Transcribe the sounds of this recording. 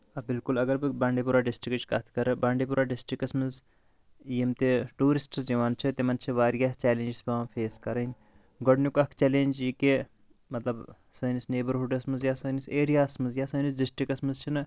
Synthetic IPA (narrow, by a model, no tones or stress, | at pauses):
ɐbɪlkulɐɡɐɾbɨbãːɳɖeːp̬uɾaːɖɪsʈɾikt͡ʃkɐt̪ʰkɐɾbãːɳɖeːpuɾaːɖɪsʈɾikɐsmɐz | jimt̪eʈuːɾisʈsd͡ʒɐʋaːnt͡ʃʰɐt̪emɐnt͡ʃʰiʋaːɾijaːt͡ʃɛːlẽːnd͡ʒsbãfʰeːskɐɾɐinʲ | ɡɐɖnukɐkʰt͡ʃɛːlẽːnd͡ʒjike | mɐt̪lɐb | sɐːnisneːbəɾɦuɖɐsmɐzjaːsɐːniseːɾijaːsmɐzjaːsɐːnisɖɪsʈɾikɐsmɐzt͡ʃʰinɨ